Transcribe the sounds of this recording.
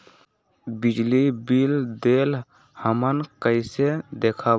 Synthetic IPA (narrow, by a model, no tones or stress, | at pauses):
bid͡ʒlibild̪el | həmənkəɪsed̪ekʰa